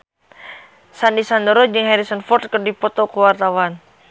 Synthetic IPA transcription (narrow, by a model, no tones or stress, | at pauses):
sandisandəɾɔd͡ʒɨŋhɛɾisənfɔrt̪̚kɨrdipɔt̪ɔkuwart̪awan